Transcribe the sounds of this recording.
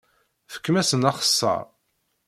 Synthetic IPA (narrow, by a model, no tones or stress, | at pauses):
θə̥kːmæsənɑχə̥sːɑ̰ɾˤ